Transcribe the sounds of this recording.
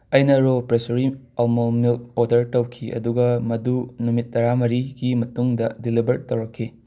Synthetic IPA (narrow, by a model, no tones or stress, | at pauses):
ɐjnɐɾopɾesoɾi | ɐlmomilt̚oɾdɐɾtɐwkʰiʔɐ̰duɡɐmɐdunumit̚ːɐɾamɐɾiɡimɐtuŋdɐdilibɐɾtːɐwɾɐkʰːi